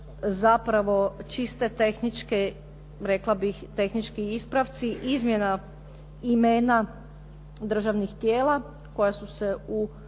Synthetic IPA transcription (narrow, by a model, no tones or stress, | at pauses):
zapɾaʋo̞t͡ʃist̪et̪exnit͡ʃke | ɾeklˠabixt̪e̞xnit͡ʃkiispɾaʋt̪siʔizmjena | imeːna | d̪r̩ʒaʋnixt̪jeːla | ko̞jasuseu